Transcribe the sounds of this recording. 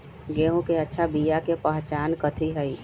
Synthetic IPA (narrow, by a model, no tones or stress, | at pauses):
ɡeːɦõkeətːʃʰabijakepəɦt͡ʃaːnkət̪ʰiɦəi